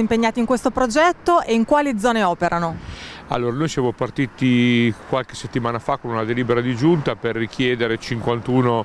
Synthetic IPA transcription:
impeɲːaːt̪iŋkwest̪opɾod͡ʒɛt̪ːoʔeiŋkwaːlid̪zːɔːneɔːpeɾanoa̰lːoːɾanojsjaːmopart̪iːt̪ikwalke̥set̪ːimaːnafakːonunad̪eliːbeɾad̪id͡ʒunt̪aperːikʰjɛːd̪eɾet͡ʃiŋkwant̪uːno

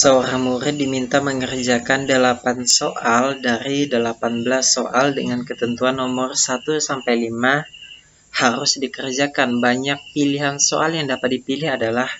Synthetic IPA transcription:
səoɾaŋmuɾɪt̪̚dimint̪aməŋərd͡ʒakandəlapansoʔaldaɾidəlapanbəlasːoʔaldəŋankət̪ənt̪uanːomɔrsat̪usampajlima | haɾʊsdikərd͡ʒakanbaɲak̚piliɦanso̰ʔaljaŋdapat̪̚dipilɪhadalah

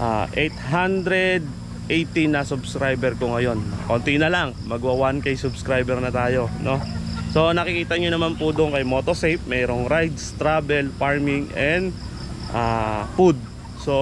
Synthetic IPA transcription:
ʔaːʔɛjt̪ɦand̪ɾɛd̪̚ | ʔejt̪ɪnɐsʊbskɾajbɛɾkoŋɐjo̞nkont̪ɪnɐlaŋmɐɡwɐwankɐjsʊbskɾajbɛɾnɐt̪aːjo̞no̞so̞nɐkɪkiːt̪ɐɲonɐmanpʊd̪ʊnkɐjmoːt̪osɛjp̚mɛːɾo̞ŋɾajd̪st̪ɾaːbɛlfaɹmɪŋʔɛnd̪ | ʔafud̪̚ | so̞

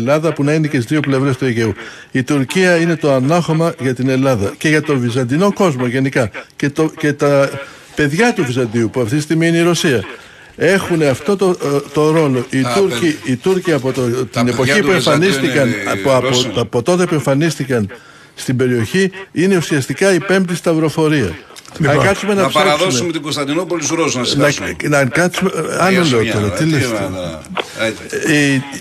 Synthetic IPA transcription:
lɐðɐpunɐineceizðio̞ple̞vɾe̞st̪ueʝe̞uit̪uɾciɐine̞t̪o̞ɐnɐxo̞mɐʝɐt̪ine̞lɐðɐce̞ʝɐt̪o̞vizɐnd̪ino̞ko̞zmo̞ʝe̞nikɐcet̪oce̞t̪ɐ | pe̞ðʝɐt̪uvizɐnd̪iupuɐft̪it̪ist̪iɣmiineiɾo̞siɐ | e̞xune̞ɐft̪o̞t̪ot̪o̞ɾo̞lo̞ʔitt̪uɾciːt̪uɾciɐpot̪ot̪ine̞po̞çipue̞ɱfɐnist̪ikɐnɐpot̪ɐpo̞t̪o̞t̪e̞pue̞ɱfɐnist̪ikɐn | st̪imbe̞ɾio̞çiine̞usiɐst̪ikɐipe̞mt̪ist̪ɐvɾo̞fo̞ɾiɐ̰ɐŋkɐt̪sume̞nɐpsɐðoesumet̪iɡost̪ɐd̪inopoluzɾosunɐnnɐnɐkɐt̪sumeɐnoleot̪o̞ɾɐt̪ilest̪ɐ

